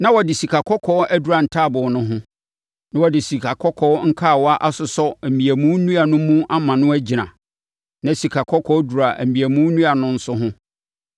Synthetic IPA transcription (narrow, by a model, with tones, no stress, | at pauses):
nã˦wɔ˨dɪ˨si˨kʰa˨kʰɔ˦kʰɔ˦æ˦du˨ɾa˨n̩˨tʰaː˦˨bʊ˨nʊ̃˦ɦʊ̃˦ | nã˦wɔ˨dɪ˨si˨kʰa˨kʰɔ˦kʰɔ˦ŋ̩˦kʰa˦˨wɔ˦a˦ʔa˦sʊ˨sɔ˦æ˨mĩ˨æ˨mũ˦nũ˦a˨nʊ̃˦mũ˦a˦mã˨nʊ̃˦æ˦d͡ʑi˨nã̰˨ | nã˨si˨kʰa˨kʰɔ˦kʰɔ˦du˨ɾa˨ʔæ̰˨mĩ˨æ˨mũ˦nũ˦a˨nʊ̃˦n̩˦sʊ˦ɦʊ̃˦